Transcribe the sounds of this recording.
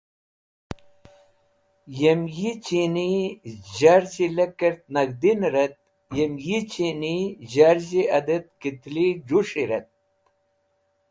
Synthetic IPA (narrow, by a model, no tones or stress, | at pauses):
jemjit͡ɕiniʑaɾd͡ʑilekɐɾt̪̚nɐɡd̪inɾɐt̪̚ | jemjit͡ɕiniʑaɾʑiɐd̪ɐt̪̚kit̪lid͡ʑuʂiɾɐt̪̚